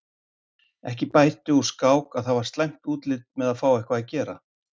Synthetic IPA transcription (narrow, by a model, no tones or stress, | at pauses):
ɛ̰hcɪpaːjt̪ʏuskaːwkaðθavaɾ̥st̪lajŋ̥t̪uːt̪lɪt̪̚mɛðaðfaːwɛhkvaðacɛːɾa